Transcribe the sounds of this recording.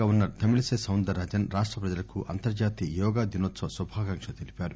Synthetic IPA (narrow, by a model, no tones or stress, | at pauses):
aːunːɐt̪ɐmilɐseːsɐwnd̪ɐɾɐd͡ʒɐnɾaːʂʈɾɐpɾɐd͡ʒɐlɐkuʔɐ̰nt̪ɐɾd͡ʒaːt̪iːjɔːɡaːd̪inoːt̪sɐsubʱaːkɐŋkʂɐt̪elipʲaːɾu